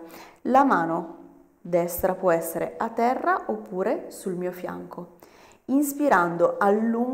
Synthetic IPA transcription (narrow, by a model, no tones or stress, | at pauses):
lamaːno | d̪ɛst̪ɾapwɔɛsːeɾeat̪ːɛrːaʔopːuːɾesulmiːofja̰ŋko | inspiɾand̪oʔalːuŋ